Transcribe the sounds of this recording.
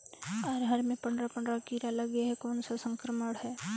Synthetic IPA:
aːɾɦəɾmẽpə̃ɳɖɾapə̃ɳɖɾakiːɾalɐɡeɦɛkɔːnsasə̃ŋkɾəməɽhɛː

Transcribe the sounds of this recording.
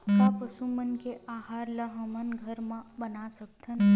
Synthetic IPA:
mãpəsumənkeʔaɦaɾləɦəmənɡʱəɾmə̃bənasək̚t̪ʰən

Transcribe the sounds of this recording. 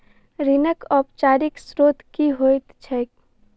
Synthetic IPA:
ɾinəkɔːpt͡ʃaːɾɪksɾoːt̪kiɦojt̪t͡ʃʰək̚

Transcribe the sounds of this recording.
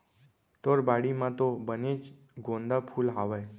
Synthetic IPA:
t̪oɾbaɽimãt̪obənet͡ʃ | ɡõnd̪apʰulɦaʋaj

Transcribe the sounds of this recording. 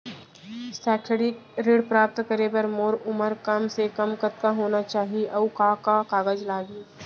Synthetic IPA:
sɛːʈʰeɽɪkɾeːɽpɾaːp̚t̪kəɾebəɾmoːɾʊməɾkɐmsekɐmkət̪kaɦoːnat͡ʃaːɦieʔɔːkaːkakaːɡəd͡ʒlaːɡiː

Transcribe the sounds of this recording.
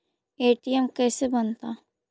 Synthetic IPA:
eːʈiɛmkɛːsebənt̪aː

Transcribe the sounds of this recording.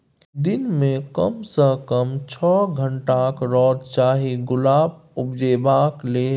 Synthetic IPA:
d̪inmẽkəmsəkəmt͡ʃʰɔɡʱəɳʈakɾɔːd̪t͡ʃaːɦiɡʊlaːbʊpd͡ʒeːbakle

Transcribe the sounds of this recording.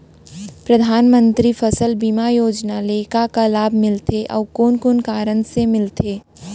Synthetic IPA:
pɾɐd̪ʱaːnmə̃nt̪ɾifʰəsəlbiːmajoːd͡ʒnaleːkakalaːbʱmɪlt̪ʰeʔɔ̰ːkoːnkoːnkaːɾənsemɪlt̪ʰeː

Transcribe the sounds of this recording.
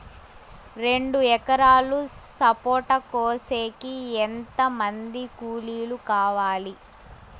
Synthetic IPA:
ɾe̞ɳɖuɛkɐɾaːlusɐpoːʈɐkoːseːkiɛnt̪ɐmɐnd̪ikuːliːlukaːʋaːli

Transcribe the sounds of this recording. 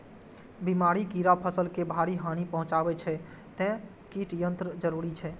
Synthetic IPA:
bimaɾikiɾapʰəsəlkebʱaɾiɦanipəɦʊ̃t͡ʃabɛt͡ʃʰɛ | t̪ɛ̃ | kiʈijənt̪ɾəd͡ʒəɾuɾit͡ʃʰɛ

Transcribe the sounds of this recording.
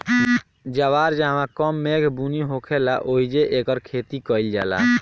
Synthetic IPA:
d͡ʒaʋaɾd͡ʒaɦmãkəmːeɡbuniɦokʰelaʔoɦid͡ʒeʔekəɾkʰet̪ikəɪld͡ʒa̰la̰

